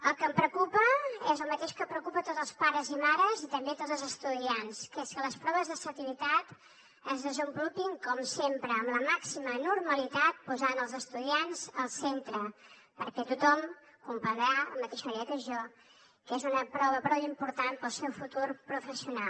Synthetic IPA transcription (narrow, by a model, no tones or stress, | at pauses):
əlˠkəmpɾəkupəɛzəlˠmət̪eʃkəpɾəkupət̪ot̪zəlˠspaɾəzimaɾəzit̪əmbet̪olzəlˠzəst̪uðianskeskələspɾɔβəzðəsət̪iβit̪at̪ | əzðəzəmbulupiŋkɔmsempɾəːmləmaksimənurməlit̪at̪̚puzanəlˠzəst̪uðianzəlˠsent̪ɾə | pəɾkɛt̪ut̪ɔm | kumpənɾaəmət̪eʃəmɾeəkəʒɔ | kezunəpɾɔβəpɾɔwimpuɾt̪anpəlˠsɛwfut̪urpɾufəsiunal